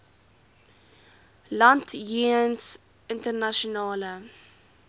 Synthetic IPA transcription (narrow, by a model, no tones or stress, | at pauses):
lantjiəns | ɪntərnaʃɔnɑːlə